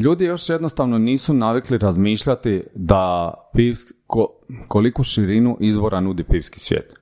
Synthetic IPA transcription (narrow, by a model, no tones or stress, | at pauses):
ʎuːd̪ijo̞ʃjed̪nost̪aʋnoniːsunaʋikliɾazmiːʃʎat̪id̪apiʋskokolikuʃiɾinuʔizbo̞ɾʔanud̪ipiːʋski̥sʋjḛːt̪